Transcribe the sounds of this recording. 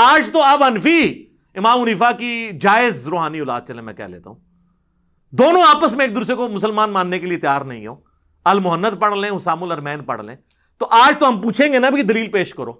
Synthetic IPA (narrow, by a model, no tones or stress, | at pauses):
aːd͡ʒt̪oɐbɦɐnfiː | ɪmaːmʊniːfaːkid͡ʒaːɪzɾoːɦaːniʊla̰ːd̪̚t͡ʃɐlẽːmɛ̰̃kɛ̰ɦlḛːt̪a̰ɦṵ̃ː | d̪oːnõaːpəsmẽeːk̚d̪ʊɾs̬ekomʊsəlmaːnmaːnːekeliet̪jaːɾnɐɦĩɦo̰ː | ɐlmʊɦənːəd̪pɐɽlẽːɦʊsaːmʊlɐɾmɛ̃ːnpɐ̰ɽ̤lḛ̃ː | t̪oːʔaːd͡ʒt̪oɦɐmpuːt͡ʃʰẽːŋɡenabʱikid̪ɐliːlpeːʃkɐɾo̰ː